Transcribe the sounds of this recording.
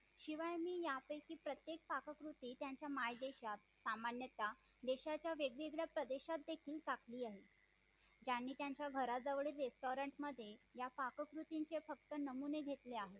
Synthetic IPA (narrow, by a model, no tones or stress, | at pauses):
ɕiʋajmiːjapəjkiːpɾət̪jek̚pakəkɾut̪iːt̪jaɲt͡ɕjamajd̪eɕat̪samanjət̪a | d̪eɕat͡ɕjaʋeɡʋiɡɭjapɾəd̪eɕat̪̚d̪ekʰiːlt͡sakʰliːaɦe | d͡ʑanːiːt̪jaɲt͡ɕjaɡʱəɾad͡zəʋɭiːɾːesʈoɾəɳʈməd̪ʱːjejapakəkɾut̪iɲt͡sefək̚t̪ənəmuneɡʱet̪leaɦe